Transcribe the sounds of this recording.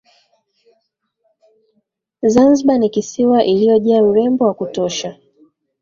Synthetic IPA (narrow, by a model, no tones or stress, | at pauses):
zanziɓanikisiwaʔilijɔʄaauɾɛmbɔwakutɔʃa